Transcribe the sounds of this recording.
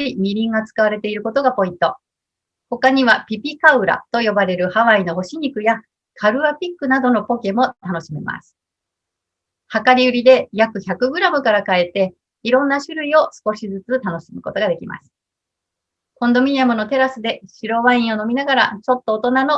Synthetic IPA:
imʲiɾʲĩŋɡat͡sɨ̥kaβaɾe̞t̪e̞iɾɯ̟ko̞t̪o̞ɡapo̞ĩnt̪o̞ | ho̞kaɲ̟iβapʲipʲikaɯ̟ɾa̰t̪o̞jo̞baɾe̞ɾɯ̟haβaino̞ɦo̞ɕiɲ̟ikɯ̟ja | kʰaɾɯ̟apʲikːɯ̟nad̪o̞no̞po̞ke̞mo̞t̪ano̞ɕime̞ma̰sɨ̥ | hakaɾʲiɯ̟ɾʲid̪e̞jakɯ̟çakɯ̟ɡɯ̟ɾamɯ̟kaɾakae̞t̪e̞ | iɾõ̞nːaɕɨɾɯ̟io̞sɨ̥ko̞ɕizɨt͡sɨt̪ano̞ɕimɯ̟ko̞t̪o̞ɡad̪e̞kʲima̰sɨ̥ | kõ̞nd̪o̞mʲiɲiamɯ̟no̞t̪e̞ɾasɨd̪e̞ɕiɾo̞βaĩɰ̃o̞no̞mʲinaɡaɾa̰t͡ɕo̞t̪ːo̞ːt̪o̞nano̞

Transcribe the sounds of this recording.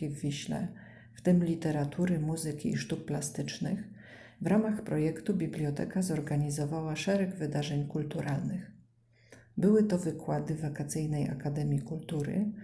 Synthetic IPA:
ivːʲiɕlɛ̰ | ft̪ɘmlʲit̪ɛɾat̪ʰuɾɘmuzɘkʲḭːʂt̪uk̚plast̪ɘt͡ʂnɘx | vɾʔamaxpɾɔjɛkt̪ubʲiblʲjɔt̪ɛ̰kazɔɾɡaɲizɔvawaʂɛɾɛɡvɘd̪aʐɛɲkult̪uɾalnɘx | bɘwɘt̪ɔvɘkwad̪ɘvakat̪sɘjnɛjʔa̰kad̪ɛmʲjikult̪uɾɘ̰

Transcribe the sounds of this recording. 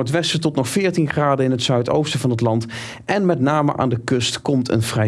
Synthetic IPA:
ətʋɛstətɔtnɔχfɪːɹtinχraːdəɪnɦətsœɥto̰wstəvɑnɦətlɑnt | ʔɛnmɛtnaːmə̰ʔa̰ːndəkɵstkɔmtʰə̰nvrɛ

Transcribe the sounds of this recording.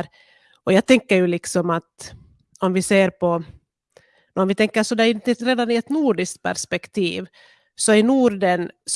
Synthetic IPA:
ɾ | ʔɔjɑːɡt̪ʰɛŋkːəɾjɵlɪksɔmat̪ | ɔmvɪseːɾpʰɔ | nɔmvɪt̪ʰɛŋkːəɾsɔd̪ɛæɪt̪ɾeːd̪anɪɛt̪nuːɖɪskt̪̚pʰæ̰ʂpɛkt̪ʰḭːv | sɔɪnuːɖəns

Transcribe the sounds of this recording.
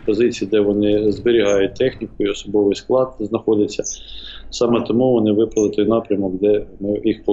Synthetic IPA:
pɔzɪt͡sʲijid̪ɛʋɔnɪzbɪɾʲiɦɑjʊt̚ʲt̪ɛxnʲikʊiɔsɔbɔʋɪjsklˠɑd̪znɐxɔdʲɪt͡sʲːɐsɑmɛt̪ɔmuʋɔnɪʋɪpɾɐlˠɪt̪ɔjnɑpɾʲɐmɔkd̪ɛmɪjixpɔ

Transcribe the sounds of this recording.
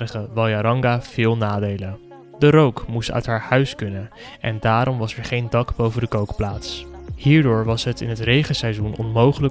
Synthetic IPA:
əχəʋɑlˠjaɾɑŋɡav̥ɪːlˠnaːdejlən | dəɾowkmustœ̰ɥtɦaːɹhœɥskɵnənʔɛ̰ndaːɾɔmʋɑsɛɹχejndɑkbowvədəkowkplaːtshiːɹdʊːɹʋɑsɦətɪ̰nɦətrejχənsɛjzunɔ̰nmowχələ

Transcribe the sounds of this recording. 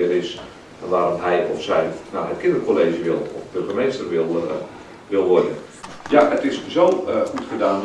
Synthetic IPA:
ɪəɾɪs | ʋaːɾɔmɦɛjɔfsɛjnawɦətkʰɪ̃ndərkʰoleːʒəʋɪlˠɔ̰fbørɣəmeːstərʋɪlˠ | ʋɪlˠʋɔrjən | jaʔətɪszowxutχədaːn

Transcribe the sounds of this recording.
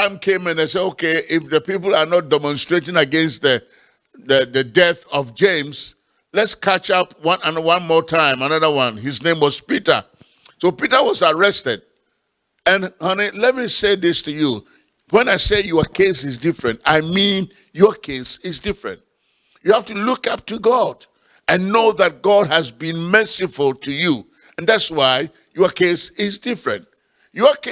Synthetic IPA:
tãɪ̃mkʰẽmɨ̃naɪsɛdokʰeɪfðəpipl̩ˠanɔt̚dɛmɔ̃nstɹ̥etɪ̃ŋəɡɛ̃nstðə | ðəðɨdɛθɔvd͡ʒẽɪ̃ms | lɛtskʰæt͡ʃapwʌ̃nanwãnmɔtʰãɪ̃manʌðəwʌ̃nhiznẽɪ̃mwɔz̥pitə̰ | sopitəwɔzaɹɛstɛd̥̚ | ɨ̃nhʌnilɛt̚miseɪðɪstʰuju | wɛ̃naɪsejɔkʰesɪzdɪfɹɨ̃ntaɪmĩn | jɔkʰesɪzdɪfɹɨ̰̃nt̚ | juhæftulukʌp̚tuɡɔd | ɨ̃nːoʊðɨt̚ɡɔd̚ɨzbĩnmɜ˞sifʊlˠtʰuju | ɨ̃nðætswaɪ | jɔkʰesɪzdɪfɹɨ̰̃nt̚ | jk

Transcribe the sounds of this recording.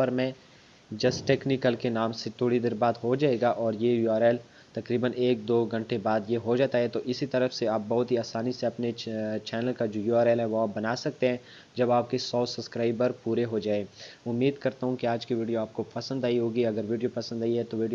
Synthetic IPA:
pɐɾmɛ̃ː | d͡ʒɐsʈeːknikəlkenaːmset̪ʰoːɽid̪eːɾbaːd̪ɦod͡ʒaːeːɡaʔɔːɾjejuaːɾɛːl | t̪ɐkɾiːbəneːk̚d̪oːɡʱɐ̃ɳʈebaːd̪jeɦod͡ʒaːt̪aɦɛt̪oʔɪsit̪ɐɾəfseaːp̚bɐɦʊt̪ɦiaːsaːniseɐpnet͡ʃɛːnəlkad͡ʒoːjuːaːɾɛːlɦɛ̃ʋoɦaːbɐnaːsɐk̚t̪ẽɦɛ̃ | d͡ʒɐbaːp̚kesɔːsɐpskɾaːɪbəɾpuːɾeɦod͡ʒaːeːʊmːiːd̪kɐɾt̪aɦũkiaːd͡ʒkiʋiːɖijoaːp̚kopɐsə̃nd̪aːiɦoːɡiɐɡəɾʋiːɖijopɐsə̃nd̪aːiɦɛt̪oʋiːɖio

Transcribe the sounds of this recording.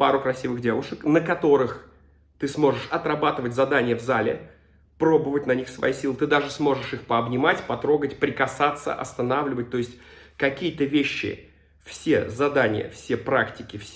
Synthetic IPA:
paɾʊkɾɐsʲivɨɣdʲe̞vʊʂəknəkɐt̪o̞ɾɨx | t̪ɨsmo̞ʐɨʂɐt̪ɾɐbat̪ɨvətʲzɐd̪anʲɪjəvzalʲɪ̰ | pɾo̞bəvət̚ʲnɐnʲixsvɐ̰jisʲilˠɨt̪ɨd̪aʐɨsmo̞ʐɨʂɨxpəɐbnʲɪmatʲpɐt̪ɾo̞ɡətʲpɾʲɪkɐsat̪sːə̰ʔɐ̰st̪ɐnavlʲɪvət̚ʲt̪o̞ɪsʲtʲkɐkʲijət̪əvʲeɕːɪ̰ | fsʲe̞̰zɐd̪anʲɪ̰jə̰fsʲepɾaktʲɪkʲɪfsʲ

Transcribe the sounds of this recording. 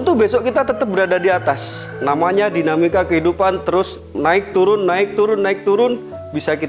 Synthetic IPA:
unt̪ʊbesɔʔkit̪at̪ət̪əp̚bəɾadadiat̪as | namaɲadinamikakəɦidupant̪əɾʊs | naɪk̚t̪uɾʊnːaɪk̚t̪uɾʊnːaɪk̚t̪uɾʊn | bisakit̪a

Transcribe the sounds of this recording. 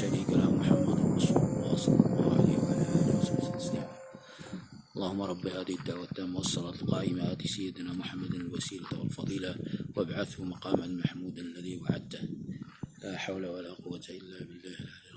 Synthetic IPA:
ʃaɾiːkanamʊħamːad̪ɑrˤːɑsuːlwɑʔɑsˤlwʕa̰lḭːhwʕalaːʔaːlwˤɑsṵtt̪ːḁslɪʕaːn | ʔɑlˤːɑːhʊmːɑɾˤɑbːɪhaːðɪhɪd̪ːaʕwat̪ːaːmːawɑsˤːɑlɑːt̪lqɑːʔɪmad̪isajːɪd̪naːmʊħamːad̪alwasiːlawalfɑd̪ˤiːlawʔabʕaθhʊmɑqɑːmanmaħmuːd̪ʔlːaðiːwa̰ʕa̰d̪̚t̪h | laːħawlawalaːqʊwːat̪aʔɪlːaːbɪlːaːhlalal

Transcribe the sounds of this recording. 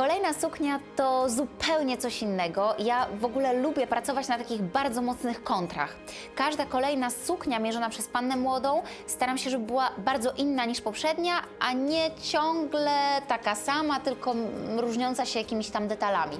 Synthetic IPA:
kɔlɛjnasukɲat̪ɔzupɛwɲɛt̪sɔɕinːɛɡɔjavɔɡulɛlubʲjɛpɾat̪sɔvat͡ɕnat̪akʲiɣbaɾd̪zɔmɔt̪snɘxkɔnt̪ɾa̰x | kaʐd̪akɔlɛjnasukɲamʲjɛʐɔnapʂɛspanːɛmwɔd̪ɔ̃w̃ | st̪aɾamɕɛʐɛbɘbɘwabaɾd̪zɔʔinːaɲiʂpɔpʂɛd̪ɲaʔaɲɛt͡ɕɔŋɡlɛt̪akasamat̪ɘlkɔɾuʐɲɔnt̪saɕɛjakʲimʲiɕt̪amd̪ɛt̪alamʲḭ

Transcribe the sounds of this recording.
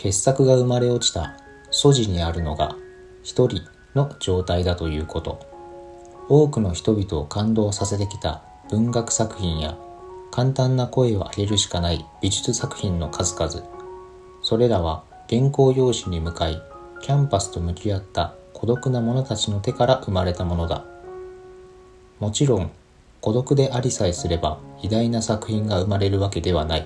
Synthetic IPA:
ke̞sːakɯ̟ɡaɯ̟maɾe̞o̞t͡ɕi̥t̪a̰ | so̞ʑiɲ̟iaɾɯ̟no̞̰ɡa̰ | çi̥t̪o̞ɾʲi | no̞d͡ʑo̞ːt̪aid̪at̪o̞jɯ̟ːko̞t̪o̞ | o̞ːkɯ̟no̞çi̥t̪o̞bʲit̪o̞ːkãnd̪o̞ːsase̞t̪̬e̞kʲi̥t̪a̰ | b̥ɯ̟̃ŋɡakɯ̟̥sakɯ̟çĩɰ̃ja̰ | kʰãnt̪ãnːako̞e̞o̰ʔa̰ɡʲe̞ɾɯ̟ɕi̥kanaib̥ʲiʑit͡sɨsakɯ̟̥çĩnːo̞kʰazɨkazɨ | so̞ɾe̞ɾaβ̞a | ɡ̥ẽ̞ŋko̞ːjo̞ːɕiɲ̟imɯ̟kai | kʲãmpasɨ̥t̪o̞mɯ̟kʲiat̪ːakʰo̞d̪o̞kɯ̟namo̞no̞t̪at͡ɕino̞t̪e̞kaɾaʔɯ̟maɾe̞t̪amo̞no̞d̪a̰ | mo̞t͡ɕiɾõ̞ŋ | ko̞d̪o̞kɯ̟d̪e̞ʔaɾʲisaisɨɾe̞baid̪ainasakɯ̟çĩŋɡaɯ̟maɾe̞ɾɯ̟βake̞d̪e̞β̞anai

